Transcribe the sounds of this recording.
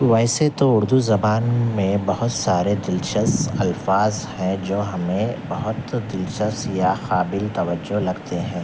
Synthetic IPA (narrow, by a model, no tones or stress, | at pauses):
ʋɛːɪset̪oʊɾd̪uzɐbaːnmẽbɐɦʊt̪saːɾed̪ɪlʃəsɐlfaːzhɛ̃d͡ʒoːɦɐmẽbɐɦʊt̪d̪ɪlʃəsjaxaːbɪlt̪ɐʋəd͡ʒːolɐɡt̪eɦɛ̃ː